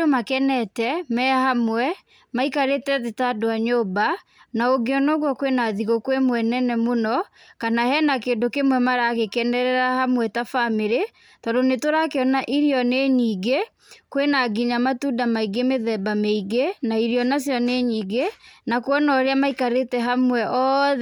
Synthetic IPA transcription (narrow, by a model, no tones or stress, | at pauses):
omakɛnɛtɛmɛahamwɛ | maikaɾetɛðetadoaɲoba | naoɡeɔnoɣwɔkwenaðiɣokwemwɛnɛnɛmonɔkanahɛnakeːndokemwɛmaɾaɣekɛnɛɾɛɾahamwɛtafameɾe | tɔdonetoɾakeɔnaʔiɾiɔneɲiːɡe | kwenaɡiɲamatudamaiɡemeðɛbameiɡenaiɾiɔnasjɔneɲiːɡenakwɔnɔɾeamaikaɾetɛɦamwɛʔɔðɛ